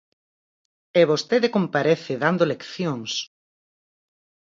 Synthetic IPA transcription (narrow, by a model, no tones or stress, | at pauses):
eβost̪eðɪkompaɾeθɪðand̪olekθjoŋs